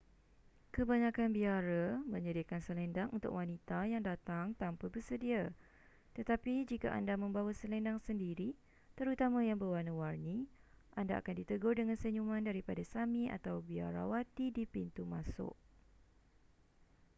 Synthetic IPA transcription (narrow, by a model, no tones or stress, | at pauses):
kəbaɲãkanbiaɾamə̃ɲədiakansəlɛndaŋunt̪ʊ̰kwanit̪ajaŋdat̪aŋt̪ampəbərsədia | t̪ət̪apid͡ʒika̰ʔa̰ndamə̃mbawasəlɛndaŋsəndiɾi | t̪əɾut̪amãjaŋbəwanəwarnĩʔandaʔa̰kandit̪əɡʊdəŋãnsəɲumãndaɾipadasamĩʔa̰t̪awbia̰ɾa̰wat̪idipint̪umãsʊ̰ʔ